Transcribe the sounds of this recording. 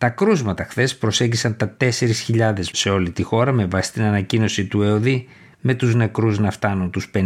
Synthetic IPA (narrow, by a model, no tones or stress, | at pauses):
t̪ɐkɾuzmɐt̪ɐxθe̞spɾo̞se̞ɲɟisɐnt̪ɐt̪e̞se̞ɾisçiʎɐðe̞sse̞o̞lit̪ixo̞ɾɐme̞vɐsi̥st̪inɐnɐcino̞sit̪ue̞o̞ði | me̞t̪uzne̞kɾuznɐft̪ɐnunt̪uspe